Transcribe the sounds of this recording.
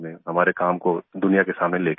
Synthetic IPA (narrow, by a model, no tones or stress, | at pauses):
mẽɦɐmaːɾekaːmkod̪ʊnijakesaːmneleːk